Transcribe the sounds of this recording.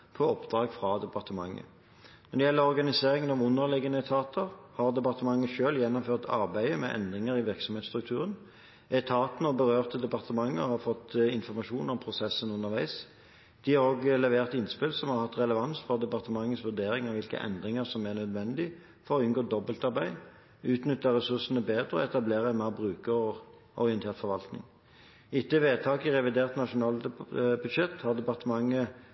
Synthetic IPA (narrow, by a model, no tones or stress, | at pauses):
pʰɔɔpd̪ʁɑːɡfʁɑd̪ɛpɑʁt̪əmɑŋːə̰ | nɔʁd̪ɛjɛlːəʁɔʁɡɑnɪseːʁɪŋənɔmʊnːəʁlɪɡənəɛt̪ʰɑːt̪ʰəʁhɑʁd̪ɛpɑʁt̪əmɑŋːəʃøːljɛnːɔmføːʁt̪ʰɑʁbæɪəmɛ̰ʔɛ̰nd̪ʁɪŋəɾɪʋɪʁksɔmheːt̪st̪ʁʉk̚t̪ʰʉːʁən | ɛt̪ʰɑːt̪ənəɔbəʁøːʁt̪əd̪ɛpɑʁt̪əmɑŋːə̰hɑʁfɔt̪ːɪnfɔʁmɑʃuːnɔmpʰʁʊsɛsənʉnːəɾʋæɪs | d̪̥ɪhɑɾʁoːɡlɛʋeːʁt̪ɪnːspɪlsɔmhɑʁhɑt̪ːʁɛləʋɑnsfɔʁd̪ɛpɑʁt̪əmɑŋːəsʋʉd̪eːɾɪŋɑʋɪlkə̰ʔɛ̰nd̪ʁɪŋəʁsɔmæʁnœd̪ʋɛnd̪ɪ | fɔʁɔʏnɡoːd̪ɔbəlt̪ɑʁbæɪ | ʉːt̪nʏt̪ːəʁɛsʉʁsənəbeːd̪ʁəɔ̰ɛt̪ɑbleːʁəɛnmɛːbʁʉːkəʁɔ | ʔɔ̰ʁɪənt̪ʰeːʁt̪fɔɾʋɑlt̪nɪ̰ŋ | ɪt̪ːəʋeːt̪ʰɑːkɪʁɛʋɪd̪eːʁt̪nɑʃʊnɑːlbʉd̪ʃɛt̪ːhɑʁd̪ɛpɑʁt̪əmɑŋːə